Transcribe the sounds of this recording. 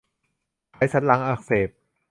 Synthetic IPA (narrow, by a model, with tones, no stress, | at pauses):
a˨˦˥jsʰa˦˥t̪̚la˨˦˥ŋʔaː˧˩k̚seː˨˩p̚